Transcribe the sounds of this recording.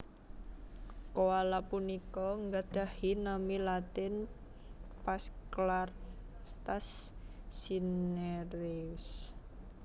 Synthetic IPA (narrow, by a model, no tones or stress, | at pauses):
koalapunikɔŋɡad̪̥ahinamilat̪ɪn | pasklart̪asː | ineɾeus